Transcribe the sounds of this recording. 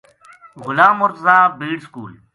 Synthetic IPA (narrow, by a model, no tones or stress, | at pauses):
ɣʊlaːmoɾt̪əzãːbiːɖskṵːl